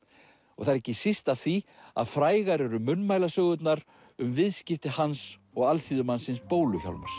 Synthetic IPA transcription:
ɔ̰ɣθaɾɛcːɪsist̪aθia̰ðfɾaːjɣaɾɛɾʏmʏnːmaːjlasœːɣʏt̪naɾ | ʏmvɪðscɪft̪ɪhans | ɔɣalθiðʏmansɪnspoːwlʏça̰wlma̰ɾ̥

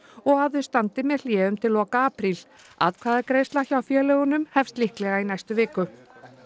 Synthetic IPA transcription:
ɔɣaððʏst̪ant̪ɪmɛðl̥jɛːðʏmt̪ʰɪlːɔːkaaːpɾil | a̰ðkʰvaːðakɾeːjst̪laçawfjɛːlɛɣʏnʏmhɛfst̪lihklɛɣainajst̪ʏvɪːkʏ

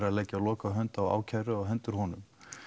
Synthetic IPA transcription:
ɾaðlɛjcːalɔːkaɦœnt̪awa̰ːwcʰajɾʏaɣɦœnt̪ʏɾ̥ɦɔnʏm

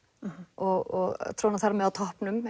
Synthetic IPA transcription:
ɔɣɔɣt̪ʰɾoːwnaθarːamɛðawt̪ʰɔhpnʏm

